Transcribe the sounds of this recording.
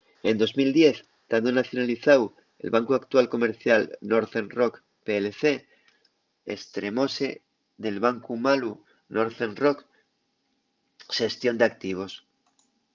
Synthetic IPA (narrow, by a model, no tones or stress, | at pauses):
e̞nd̪o̞zmild̪je̞θ | d̪̥and̪onaθjo̞naliθaw | e̞̰lβaŋkuakt̪walko̞me̞ɾθjalno̞ɾθenro̞k | peleθe̞ | ḛst̪ɾe̞mo̞se̞ | ðe̞lβaŋkumalu | no̞ɾθenro̞k | ʃe̞st̪jo̞nd̪eak̚t̪iβ̞o̞s